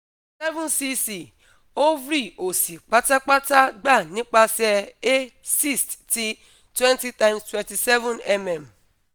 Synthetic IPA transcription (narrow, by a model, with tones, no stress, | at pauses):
sɛ˦vũ˦nsi˦si˨ | o˦vɾi˦˨o˨si˨k͡pa˦ta˦k͡pa˦ta˦ɡ͡ba˦˨nĩ˦k͡pa˦sɛ˧e˦si˦˨stti˦ | twɛ̃˦nti˦tã˦ɪ̃mstwɛ̃˨nti˨sɛ˦vũ˦˨nɛ˦mɛ˨m